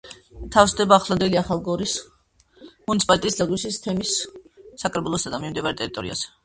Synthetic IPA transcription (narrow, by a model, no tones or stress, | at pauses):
t̪ʰafsd̪ɛbaːχlˠand̪ɛliaχalˠɡɔɾis | munit̪sʰipalit̪ʼt̪ʼislaɡwisist̪ʰɛmisː | akʼɾɛbulˠɔsad̪amimd̪ivaɾɛt̪ʼɛɾit̪ʼɔɾḭa̰z̥ɛ̥